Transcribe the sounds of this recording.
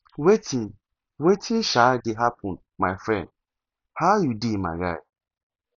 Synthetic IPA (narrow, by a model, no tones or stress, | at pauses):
wetʰĩn | wetʰĩnʃadɪɦapʰɔ̃n | maɪfɹɛ̰̃nd | haʊjudima̰ɾa̰ɪt